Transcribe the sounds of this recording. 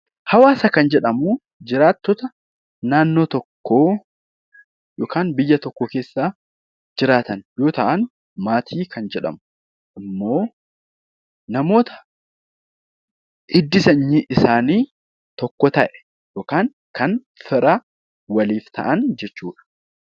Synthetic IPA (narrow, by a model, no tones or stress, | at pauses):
hɐwaːsɐkɐnd͡ʒɛᶑɐmuː | d͡ʒɪɾaːt̪ːɔt̪ɐ | naːnːoːt̪ɔkːoː | joːkaːnbɪjːɐt̪ɔkːɔke̞ːsːaː | d͡ʒɪɾaːt̪ɐnjo̞ːt̪ɐʔɐn | maːt̪ʰiːkʰɐnd͡ʒɛᶑɐ̰mʊ | ʔɪmːo̞ː | nɐmo̞ːt̪ɐ̥ | ʔɪd̪ːɪsɐɲːiːʔɪsaːniː | t̪ɔkːɔt̪ɐʔɛ̥ | joːkaːn | kɐn | fɪɾɐ | wɐliːft̪ʰɐ̰ʔɐnd͡ʒɛt͡ʃːuːᶑɐ̥